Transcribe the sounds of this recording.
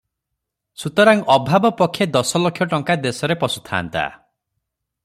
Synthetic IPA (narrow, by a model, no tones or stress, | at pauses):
sut̪ɔɾaŋɔbʱabɔpɔkʰjed̪ɔsɔlokʰːjɔʈɔŋkad̪esɔɾepɔsu̥t̪ʰa̰ːnt̪a̰